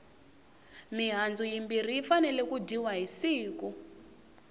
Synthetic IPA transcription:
miɦand͡zujimbir̤iːfanɛlɛkudiwaɦisiːku

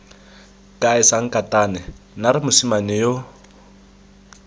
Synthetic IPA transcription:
kʼaɪsaŋ̩kʼatʼanɛ | naɾɪmʊsimanɪjo

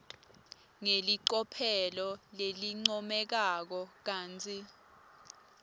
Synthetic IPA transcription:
ŋeliǃɔpʰɛlɔleliŋ͡ǀɔmɛk̬ak̬ɔk̬aːnt͡sʰʼi

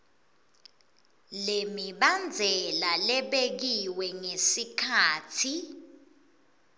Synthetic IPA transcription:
lemiɓand͡zʱɛlalɛɓek̬iwɛŋesikʰaːtʰi

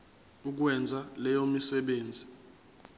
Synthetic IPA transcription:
uk̬wɛnd͡zʱalɛjomisɛɓeːnd͡zʱi

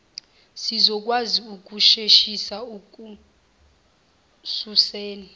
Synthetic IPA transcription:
sizɔk̬ʼwaziuk̬ʼuʃeʃisauk̬ʼu | susɛːla

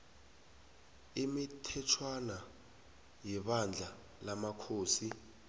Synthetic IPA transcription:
imitʰɛtʰwana | jɛɓand͡ɮʱa | lamakʰoːsi

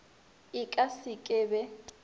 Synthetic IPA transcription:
ɪkʼasikʼɛbɛ

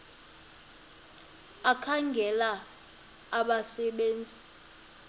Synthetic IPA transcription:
akʰaŋɡʱɛla | aɓasɛɓeːnd͡zʱi

